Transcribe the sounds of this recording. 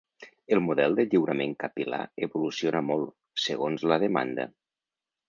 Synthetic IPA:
əlˠmuðɛlˠd̪əʎiwɾəmeŋkəpila̰eβulusionəmolˠ | səɣonzləð̞əma̰nd̪ə̰

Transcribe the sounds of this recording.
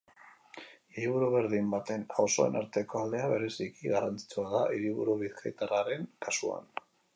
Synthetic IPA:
iɾiβuɾuβe̞ɾðimbat̪e̞naso̞e̞̰naɾt̪e̞ko̞ald̪e̞aβe̞ɾe̞sikiɣarant͡si̥t͡suaðaʔiɾiβuɾuβiθkajt̪araɾe̞ŋkasua̰n

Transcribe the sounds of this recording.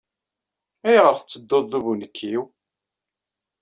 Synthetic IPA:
æjʁəɾθət͡sːəd̪ːoðˤːuvunəkʰːiw

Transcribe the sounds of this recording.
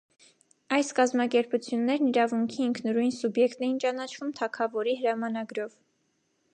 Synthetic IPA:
ɑjskɑzmɑkɛɾput͡sʰjunːɛɾniɾɑvuŋkʰiːŋkʰnəɾujnsubjɛkt̪ɛjint͡ʃɑnɑt͡ʃʰvumt̪ʰɑkʰɑvɔɾiɦəɾɑmɑnɑɡɾɔv

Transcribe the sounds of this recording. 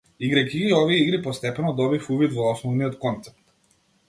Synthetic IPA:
iɡɾakiɡiɔvijɛiɡɾipɔst̪ɛpɛnɔd̪ɔbifuvit̪vɔɔsnɔvnijɔt̪kɔnt̪sɛ̥p̚t̪

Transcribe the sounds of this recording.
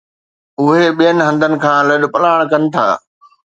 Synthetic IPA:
ʊɦeɓijənɪ̆ɦɐ̃nd̪ʱənɪ̆kʰãːlɐɗ̆pɐlaːɽ̃kɐnɪ̆t̪ʰa̰ː

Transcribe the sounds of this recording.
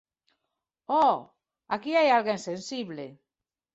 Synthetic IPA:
ɔ | akiajalɣensẽnsiβle

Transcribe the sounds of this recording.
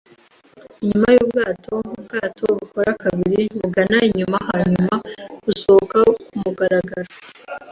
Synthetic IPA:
iɲumajuuːbɡaːtʰo̞mubɡaːtʰoβukoɾakaβiɾiβuɡanaiɲumahaɲumausokaumuɡaɾaɡaɾo

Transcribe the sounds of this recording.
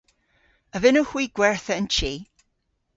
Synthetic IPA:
əvɪnuhw̥iːɡ̥wɛɹθəənt͡ʃʰiː

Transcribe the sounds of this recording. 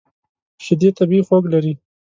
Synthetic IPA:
ʃɪd̪et̪abiixoɡlaɾi

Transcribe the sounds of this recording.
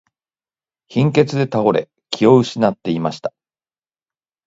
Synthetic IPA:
çĩŋke̞t͡sɨd̪e̞t̪aɡo̞ɾe̞̰ | kʲʰio̞ɯ̟ɕinat̪ːe̞imaɕi̥t̪ḁ

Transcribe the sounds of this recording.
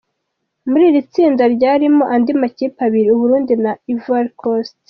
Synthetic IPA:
muɾiːɾit͡siːndaɾɟaːɾimo̞ʔandimaciːpaβiɾiuβuɾuːndinaivaɾkʰost

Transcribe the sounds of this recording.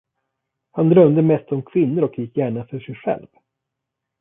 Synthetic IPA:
hand̪ɾœmd̪əmɛst̪ɔmkʰvɪnːʊɾɔkjɪkːjæːɳafœʂɛjɧɛ̰lv

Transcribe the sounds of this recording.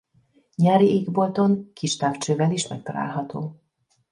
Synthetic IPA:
ɲaːɾiʔeːɡbolt̪o̞ŋkʰiʃt̪aːft͡ʃøːvɛliʃmɛk̚t̪ɒla̰ːlɦɒt̪o̰ː

